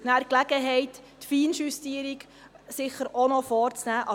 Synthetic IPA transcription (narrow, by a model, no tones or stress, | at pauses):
næɾklæɡ̥əɦɛɪttfiːnʃystiəɾik | sɪχːəɾonɔfɔːɾt͡snæːʔɑ